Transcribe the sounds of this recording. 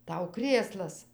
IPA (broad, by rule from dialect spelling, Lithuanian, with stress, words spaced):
ˈtɐʊ ˈkrʲeːslˠɐs